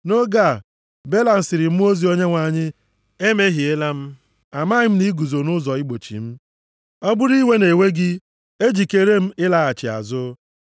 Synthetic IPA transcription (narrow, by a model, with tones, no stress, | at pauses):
no˦ɡa˦˨ | be˦la˨n̩˨˦sɪ˨ɾɪ˨m̩˦o˦zi˨o˦ɲe˦ŋʷa˨ɲɪ˦ | e˦me˦ɦi˨e˦la˦m̩˦ | a˨ma˦ɪ˦m̩˦ni˦ɡu˨zo˨nʊ˦zɔ˨ɪ˦ɡ͡bo˨t͡ʃḭ˨m̩˦ | ɔ˦bʊ˦ɾi˦we˦ne˨we˦ɡɪ˦ | e˦d͡ʒi˨ke˨ɾe˦m̩˦ɪ˦la˨a˨t͡ʃɪ˨a̰˨zʊ˦